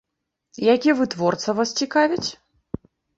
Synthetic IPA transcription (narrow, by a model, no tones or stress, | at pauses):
ijakʲiɛvɨt̪vɔrt̪sɐvast͡sʲikavʲit͡sʲ